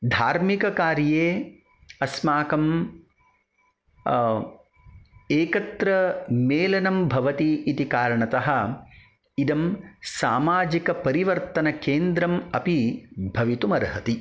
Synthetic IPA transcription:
d̪ʱaːɾmikɐkaːɾjeː | ɐsmaːkɐm | eːkɐt̪ɾɐmeːlɐnɐmbʱɐʋɐt̪iːt̪ikaːɾɐɳɐt̪ɐɦɐ̆ | id̪ɐmsaːmaːd͡ʒikɐpɐɾiʋɐɾt̪ɐnɐkeːnd̪ɾɐmɐpibʱɐʋit̪umɐɾɦɐt̪i

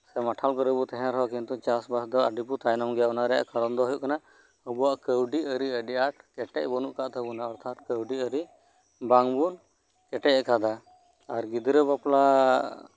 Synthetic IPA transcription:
sɛmaʈʰalkɔɾɛbut̪ɛɦɛ̃ɾɦɔkint̪ut͡ʃasbasd̪ɔa̰ɖiput̪ajnɔmɡɛjaɔnaɾɛja̰ʔkɔɾɔnd̪ɔɦɔjuʔkana | ɔbɔwaʔkəwɖiəɾiəɖiaʈkɛʈɛc̚bɔnuʔkaʔt̪ʰəbunaɔɾt̪ʰat̪̚kəwɖiəɾi | baŋbun | kɛʈɛʔɛkad̪a | aɾɡid̪ɾəbapla

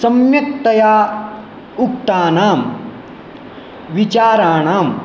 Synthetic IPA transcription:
sɐmjɐk̚t̪ɐjaː | uk̚t̪aːnaːm | ʋit͡ʃaːɾaːɳaːm

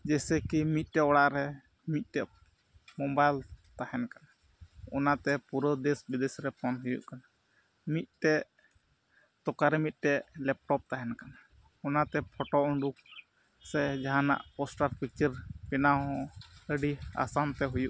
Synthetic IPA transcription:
d͡ʒɛsɛkimit̪̚ˀʈɛɔɽaʔɾɛ | mit̪̚ʈɛ | mɔbajlt̪ahɛnkana | ɔnat̪ɛpuɾəd̪esbid̪esɾɛpʰɔnɦujṵʔkana | mit̪̚ˀʈɛ | t̪ɔkaɾɛmit̪̚ʈɛʔlɛp̚ʈɔp̚t̪aɦɛnkana | ɔnat̪ɛpʰɔʈɔuɳɖuk̚ | sɛd͡ʒaɦana̰ʔpɔsʈaɾpik̚t͡ʃəɾpinaɦɔ̃əɖia̰sant̪ɛɦujuʔ

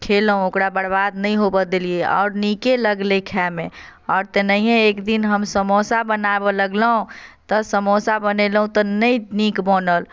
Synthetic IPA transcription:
kʰelɦũokɾabəɽbad̪nəj̃ɦobəd̪elieɔ̰ːɾnikeləɡlekʰɛmẽ | ɔːɾt̪enəiɦẽekd̪inɦəmsəmɔsabənabɔləɡləɦũt̪ɔsəmosabənelɦũt̪ɔnəinikbɔnəl

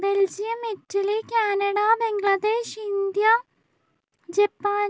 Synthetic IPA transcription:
beld͡ʑijɐmitːɐlikʲaːnɐɽabeŋɡlɐd̪eːʂind̪ja | d͡ʑepːaː

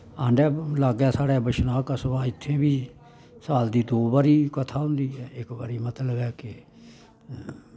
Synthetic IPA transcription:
aːɳɖɛːlaːɡɛːsaːɽɛːbəʃnaːkəsəbaːɪt̪ʰːẽːbiː | saːld̪iːd̪oːbaːɾiːkət̪ʰaːɦʊ̃nd̪iːɛːɪkba̰ːɾiːmət̪ləbɛːkɪ

